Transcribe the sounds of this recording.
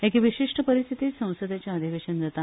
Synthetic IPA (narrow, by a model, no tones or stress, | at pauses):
ekʋiɕiʂʈəpəɾist̪ʰit̪it̪sə̃w̃səd̪ʱjat͡ɕjaːd̪ʱiʋeɕənɾət̪a